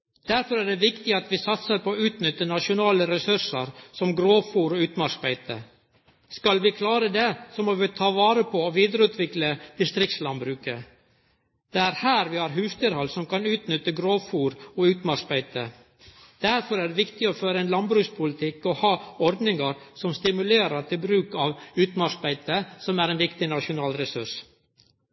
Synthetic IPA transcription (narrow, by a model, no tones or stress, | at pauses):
d̪̥æɾfɔɾæːɖɛʋɪkt̪ɪɑt̪ʋɪsɑt̪səɾpʰooːʉːt̪nʏt̪ːənɑʂʊnɑːləɾɛsʉʂəɾsɔmɡɾoːfuːɾɔʉːt̪mɑʂbæɪt̪ə̰ | skɑlʋɪkʰlɑːɾəd̪ɛsɔmɔʋɪt̪ʰɑːʋɑːɾəpʰɔːʋiːd̪əɾəʉːt̪ʰʋɪkləd̪̥ɪst̪ɾɪk̚t̪slɑnbɾʉːkə | d̪̥ɛæːɾhæːɾʋɪhɑːɾɦʉːst̪ɪɾhɔlsɔmkɑnʉːt̪nʏt̪ːəɡɾoːfuːɾɔʉːt̪mɑʂbæɪt̪ə | d̪̥æɾfɔɾæɖɛʋɪkt̪ɪɔføːɾəɛnlɑnbɾʉːkspʰʊlɪt̪ʰɪkːɔhɑːɔɾd̪nɪŋɑɾsɔmst̪ɪmʉleːɾəʈ̪ʰɪlbɾʉːkɑʋʉːt̪mɑʃbæɪt̪əsɔmæːɾɛːnʋɪkt̪ɪnɑʃʊnɑːlɾɛsʉʂ